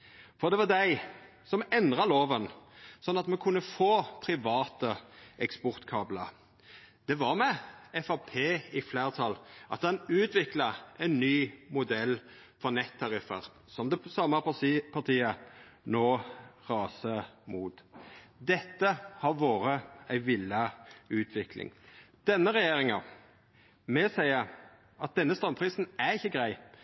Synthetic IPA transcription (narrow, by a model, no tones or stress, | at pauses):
fɔʁd̪ɛʋɑd̪æɪ | sɔmɛnd̪ʁɑloːʋənsɔnːɑt̪mɛkʰʉnːəfoːpʰɾɪʋɑːt̪əɛkspɔʁt̪kʰɑːblə̰ | d̪̥ɛʋɑʁmɛɛfɑpʰeːɪfleːʁt̪ʰɑlʔɑ̰t̪dɑnʉːt̪ʋɪklɑæɪnnyːmʊd̪ɛl | fɔʁnɛt̪ʰːɑʁɪfə̰ʁ | sɔmd̪ɛsɑməpɑpʰɑʁt̪ʰiːə | noːʁɑːsəmuːt̪d̪ɛt̪ːəhɑɾʋoːɾəæɪʋɪlːɑʉːt̪ʰʋɪklɪ̰ŋ | d̪̥ɛnːəʁɛjeːɾɪŋɑ | mɛsæɪə | ʔɑt̪̚d̪ɛnːəst̪ɾɑmpʰɾiːsn̩æɾɪçːəɡʁæɪ